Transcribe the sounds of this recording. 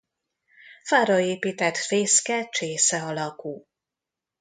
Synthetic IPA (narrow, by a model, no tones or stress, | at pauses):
faːɾɒeːpiːt̪ɛt̪feːskɛt͡ʃeːsɛɒlɒkuː